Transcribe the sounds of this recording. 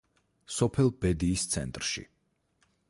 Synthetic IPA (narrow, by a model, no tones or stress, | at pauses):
sɔpʰɛlˠbɛd̪iːst̪sʰɛ̰nt̪ʼɾʃḭ